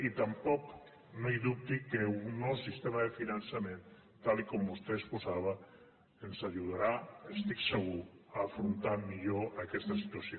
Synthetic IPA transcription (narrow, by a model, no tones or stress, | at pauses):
it̪ampɔk | nojðup̚t̪ikeunɔwsist̪emaðefinansamẽn | t̪alikɔmbust̪eːsposaβ̞a | ensaʒuðaɾaest̪ikseɣuaːfɾunt̪amiʎoakɛst̪asit̪uasjo